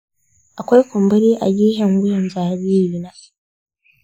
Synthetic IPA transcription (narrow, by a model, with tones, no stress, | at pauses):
ʔa˨kʷa˦jkʷʊ˨mbɐ˦ɾiː˦ʔa̰˨ɡʲiː˦ɦɛ˨ŋwʊ˦jɔ˨nzaː˨ɾiː˦jiː˨na˦